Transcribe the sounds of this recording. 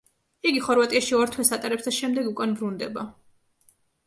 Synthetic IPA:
iɡiχɔɾvat̪ʼiaʃiɔɾt̪ʰwɛsat̪ʼaɾɛpst̪ʰaʃɛmd̪ɛɡukʼanbɾund̪ɛba

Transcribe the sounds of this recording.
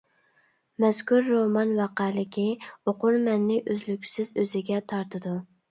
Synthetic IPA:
mɛskʲʰuɾːomɑnwɑqælɪkʲʰioqʰʊɾmɛnːɪʔøzlykʲsɪzøzɪɡʲɛt̪ʰɑɾt̪ʰɨd̪u

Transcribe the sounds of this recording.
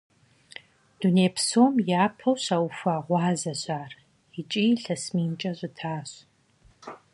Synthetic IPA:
d̥uneːpsoːmjaːpʰɐwɕaːwfʷaːʁʷɑːzɐɕaːr | it͡ʃʼiːɬɐsmiːnt͡ʃʼɐɕʷʼɨtʰaːɕ

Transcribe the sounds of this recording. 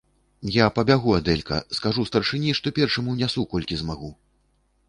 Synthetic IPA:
japɐbʲaɣuad̪ɛlʲkɐ̰skaʐust̪ɐrʂɨnʲiʂt̪ɔpʲɛrʂɐmuwnʲasukɔlʲkʲizmaɣu

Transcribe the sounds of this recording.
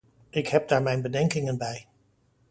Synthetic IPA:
ɪkɦɛp̚daːɹmɛjnbədɛŋkɪŋənbɛj

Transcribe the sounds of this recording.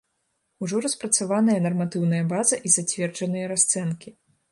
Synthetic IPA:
uʐɔɾɐspɾɐt̪savanɐjɐnɐrmat̪ɨwnɐjɐbazɐʔizat͡sʲvʲɛrd͡ʐɐnɨjɐɾast̪sɛnkʲi

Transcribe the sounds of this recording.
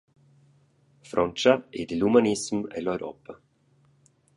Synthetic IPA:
fɾʔɔnt͡ʃaid̪ilumanismɛ̰lɔɥɾɔ̰pa

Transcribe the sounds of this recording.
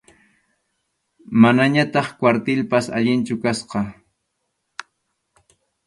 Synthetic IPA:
manaɲat̪ɑχkwaɾt̪ɪlpasa̰ʎɪnt͡ʃʊkasqɑ

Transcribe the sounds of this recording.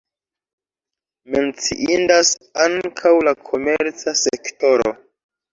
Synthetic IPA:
me̞nt͡sḭʔindasaŋkʰawlakʰo̞meɾt͡sasekto̞ɾo̞̰

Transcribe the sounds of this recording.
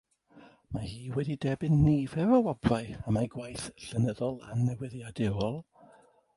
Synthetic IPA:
mahiːwɛdidɛbɪnːivɛvɔwɔb̥raɨamaɡwajθɬənəðɔlˠa̰nːɛwɪðjadɪwɔlˠ

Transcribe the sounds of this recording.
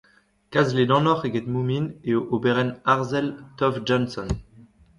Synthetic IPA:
kazled̪ɑ̃nɔʁeɡɛt̪mumineoʔobeʁɛnaʁzɛlt̪ɔvd͡ʒɔ̃nsɔn

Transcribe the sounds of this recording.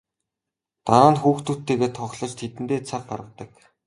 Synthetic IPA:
t̪aɾaːnxuːxt̪ut̪ːeːɣeːt̪ʰɔχɮɞ̆t͡ɕt̪ʰet̪ɘ̆nt̪eːt͡sʰaχ̚ɢaɾə̆t̪ə̆k

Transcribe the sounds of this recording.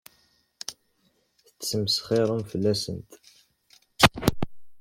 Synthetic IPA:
θət͡sːəməsχiɾˤəmfəlːæsənt̪

